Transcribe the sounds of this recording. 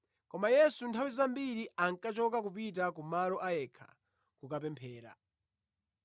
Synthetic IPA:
kɔmajɛsuntʰawizambiɾiaŋkat͡ʃɔk̬ak̬upitakumalɔʔajɛkʰḁ̰ | kukapɛmpʰɛːɾa̰

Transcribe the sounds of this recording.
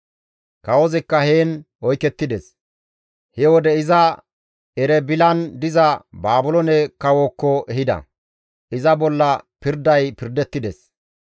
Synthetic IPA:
kɐwɔzɛkːɐhe̞ːn | ɔjkɛt̪ːɪd̪ɛs | hɛwɔd̪ɛɪzɐ | ɛɾɛbɪlɐnd̪ɪzɐbaːbʊlɔnɛkɐwoːkːɔʔɛɦɪd̪ɐ̰ | ɪzɐbɔlːɐpɪɾd̪ɐjpɪɾd̪ɛt̪ːɪd̪ɛs

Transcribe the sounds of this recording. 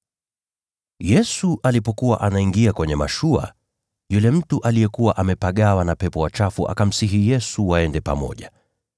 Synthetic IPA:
jɛsuʔalipɔkuwaʔanaiŋɡiakwɛɲɛmaʃua̰ | julɛm̩tuʔalijɛkuwaʔamɛpaɠawanapɛpɔwat͡ʃafuʔa̰kam̩siɦijɛsuwaɛndɛpa̰mɔ̰ʄa

